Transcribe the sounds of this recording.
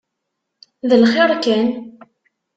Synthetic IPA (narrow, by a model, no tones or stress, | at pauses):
ðəlχeɾˤkæn